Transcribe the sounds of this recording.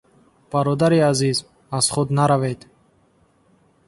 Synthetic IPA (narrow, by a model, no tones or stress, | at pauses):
b̥aɾɔd̪aɾiaziz | az̥χud̪naɾaved̪